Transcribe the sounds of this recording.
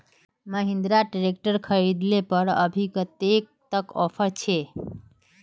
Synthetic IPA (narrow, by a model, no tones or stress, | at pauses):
məɦĩnd̪ɾaʈɾek̚ʈəɾkʰəɾid̪lepəɾə̰bʱikət̪ek̚t̪əkɔpʰəɾt͡ʃʰe